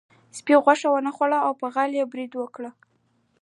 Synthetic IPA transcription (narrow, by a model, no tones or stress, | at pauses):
spiɣwaʂawənaxwaɽaawpəɣaljebɾid̪wəkɽə